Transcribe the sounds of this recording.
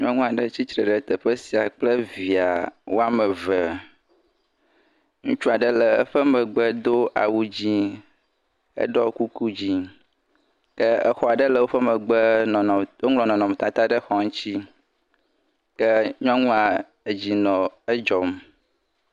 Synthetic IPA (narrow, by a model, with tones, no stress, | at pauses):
ɲɔ̃˦ŋũ˦a˨ɖə˦t͡ɕi˦t̪ɾə˨ɖə˨t̪ə˨ɸə˦si˨a˨k͡plə˦vi˨a˨wo˦a˦mə˨və˨ | ŋũ˦t͡ʃu˦a˨ɖə˦lə˨ə˦ɸə˦mə̃˨ɡ͡bə˦d̪o˦ʔa̰˨wu˦d͡ʑi˦ | ə̰˦ɖɔ˦ku˦ku˦d͡ʑi˦ | kə˦ə˦xɔ˦a˨ɖə˦lə˨wo˦ɸə˦mə˨ɡ͡bə˦˨ | wo˦ŋlɔ̃˨nɔ̃˨nɔ̃˨m˨t̪a˨t̪a˦ɖə˦xɔ˨ŋũ˦t͡ɕi˦ | kə˦ɲɔ̃˦ŋũ˦a˨ | e˨d͡ʑi˨nɔ̃˨ə˦d͡ʒɔ˨m